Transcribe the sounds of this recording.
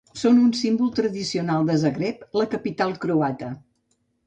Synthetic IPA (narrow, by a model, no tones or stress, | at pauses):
sonunsimbulˠt̪ɾəðisiunalˠd̪əzəɣɾepləkəpit̪alˠkɾuat̪ə